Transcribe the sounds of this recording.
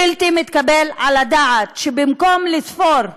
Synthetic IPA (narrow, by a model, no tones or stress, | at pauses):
ilt̪imit̪kabelʕalad̪aʕat̪ʃebimkomlisfoɾ